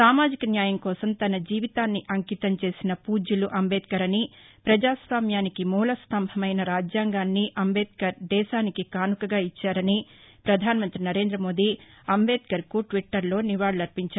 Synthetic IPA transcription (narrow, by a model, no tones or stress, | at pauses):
saːmaːd͡ʒikɐnjaːjɐŋkɔːsɐmt̪ɐnɐd͡ʒiːʋit̪aːnːiʔɐŋkit̪ɐmt͡ʃe̞ːsinɐpuːd͡ʒuluʔɐmbɛːt̪̚kɐɾɐnipɾɐd͡ʒaːsʋaːmjaːnikimuːlɐst̪ɐmbʱɐmɐjnɐɾaːd͡ʒjaːŋɡaːnːiʔɐmbɛːd̪̚kɐɾd̪ɛːʃaːnikikaːnukɐɡaːit͡ʃːaːɾɐni | pɾɐd̪ʱaːnɐmɐnt̪ɾinɐɾe̞ːnd̪ɾɐmo̞ːd̪i | ɐmbeːt̪̚kɐɾkuʈʋiʈːɐɾlo̞ːniʋaːɽɐlɐɾpiɲt͡ʃaːɾ